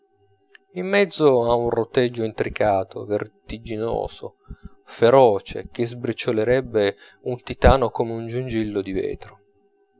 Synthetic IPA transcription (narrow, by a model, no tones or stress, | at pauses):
imːɛd̪zːoaunrot̪ɛd͡ʒːoint̪ɾikaːt̪ʰo̰vert̪id͡ʒino̰ːzo̰ | feɾɔːt͡ʃḛk̟ezbɾit͡ʃːoleɾɛbːe | unt̪it̪aːnokomeund͡ʒund͡ʒilːod̪ivɛ̰ːt̪ɾo